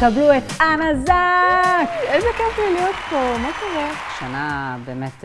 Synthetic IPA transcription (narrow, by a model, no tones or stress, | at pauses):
kabluetanazakezekeflilijot̪pomakoʁe | ʃanabemet̪